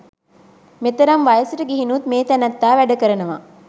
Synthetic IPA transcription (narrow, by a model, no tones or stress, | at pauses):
met̪ɐɾɐmʋɐjɐsiɾɐɡeɦinut̪meːt̪ænɐt̪ːaːʋæɖɐkəɾɐnɐʋa̰